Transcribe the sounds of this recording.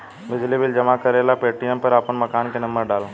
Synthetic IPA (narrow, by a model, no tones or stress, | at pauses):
bɪd͡ʒlibɪld͡ʒɐmakɐɾeːlapeːʈijə̃mpɐɾaːpənmɐkaːnkenɐ̃mbəɾɖaːlo